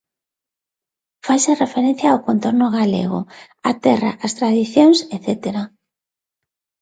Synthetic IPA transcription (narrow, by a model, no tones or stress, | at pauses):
fajʃarefeɾen̟θjaːwkont̪oɾnʊɣalḛɣ̞ʊ̰ | at̪ɛra̰ʔast̪ɾaðiθjoŋseθet̪eɾa